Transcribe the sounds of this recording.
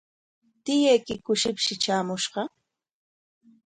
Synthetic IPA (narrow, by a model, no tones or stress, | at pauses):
t̪ɪjajkɪkʊʃɪpʃɪt͡ʃaːmʊʃɢɑ